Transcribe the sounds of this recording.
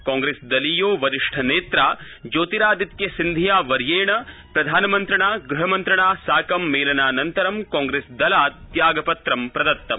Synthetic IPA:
kaːŋɡɾeːsd̪ɐlijoːʋɐɾiʂʈʰɐneːt̪ɾaː | d͡ʒoːt̪iɾaːd̪it̪̚kjɐsind̪ʱijaːʋɐɾjeːɳɐpɾɐd̪ʱaːnɐmɐnt̪ɾɐɳaːɡɾuɦɐmɐnt̪ɾɐɳaːsaːkɐmːeːlɐnaːnɐnt̪ɐɾɐmkaːŋɡɾeːsd̪ɐlaːt̪jaːɡɐpɐt̪ɾɐmpɾɐd̪ɐt̪ːɐm

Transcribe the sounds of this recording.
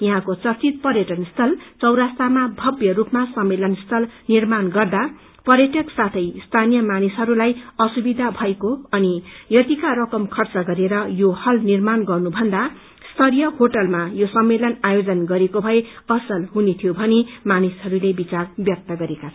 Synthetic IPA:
jʌɦãkot͡sʌrt͡sit̪̚pʌrjʌʈʌnst̪ʰʌlt͡sʌwɾast̪amabʱʌbjʌrupmasʌmːelʌnst̪ʰʌlnirmanɡʌrd̪a | pʌrjʌʈʌksat̪ʰʌjst̪ʰanijʌmanisɦʌɾulajʌsubid̪ʱabʱʌekoʌnijʌt̪ikaɾʌkʌmkʰʌrt͡sʌɡʌɾeɾʌjohʌlnirmanɡʌrnubʱʌnd̪a | st̪ʰʌɾijʌhoʈʌlmajosʌmːelʌnajod͡zʌnɡʌɾekobʱʌe | ʌsʌlɦunet̪ʰijobʱʌnemanisɦʌɾulebit͡sarbjʌk̚t̪ʌɡʌɾekat͡sʰ

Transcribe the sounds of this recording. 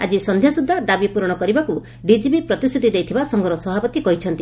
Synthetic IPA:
a̰d͡ʒisɔnd̪ʱjasud̪ʱːad̪abipuɾɔɽ̃ɔkɔɾibaku | ɖid͡ʒibipɾɔt̪isʰut̪id̪ejt̪ʰibasɔŋɡɔɾɔsɔbapɔt̪ikɔɦit͡ʃʰɔnt̪i

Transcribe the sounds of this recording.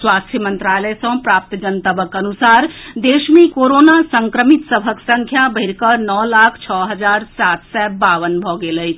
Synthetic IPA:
swast̪ʰjəmənt̪ɾaləsə̃pɾap̚t̪d͡ʒənt̪əbəkənusaɾd̪esmẽkoɾonasəŋkɾəmit̪səbʱəksəŋkʰjabʱəɪɾkənɔlakʰt͡ʃʰɔɦəd͡ʒaɾsat̪sɛbaʋənbʱɔɡeləɦt͡ʃʰ

